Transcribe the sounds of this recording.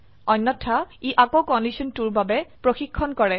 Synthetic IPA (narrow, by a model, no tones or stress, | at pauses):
ɔnːɔtʰːaiʔakokɔndisɔntuɹbabɛpɹoxikʰːɔnkɔɹɛ